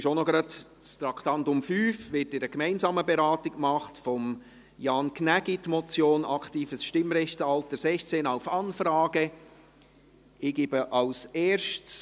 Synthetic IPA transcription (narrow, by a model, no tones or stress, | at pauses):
ɪʃonɔɡɾɑtt͡st̪ɾɑkχtɑntʊmfyːfʋɪtɪɾəkmɛɪnzɑːməbɛɾɑːtɪkmɑχtfɔm | jɑːnkʰnæɡitmɔt͡sjoːnɑkχtiːfəsʃtɪmɾɛçtəɑltəɾsɛçt͡seːnaʊfɑnfɾɑːɡ̥ə | ɪɡɪbəʔɑwseːɾʃts